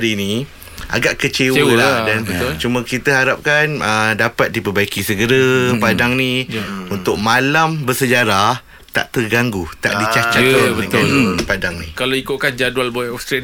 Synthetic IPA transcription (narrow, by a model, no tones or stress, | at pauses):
ɾini | a̰ɡaʔkət͡ʃewwəladanbət͡ʃumə̃kit̪əɦaɾap̚kanədapat̪̚dipəbaikisəɡəɾapadaŋniunt̪ʊk̚malambərsəd͡ʒaɾa | t̪a̰ʔt̪ərɡaŋɡut̪a̰ʔdit͡ʃat͡ʃat̪ | padaŋnikalaikʊʔ̚kand͡ʒadualbɔjɔfst̪ɾa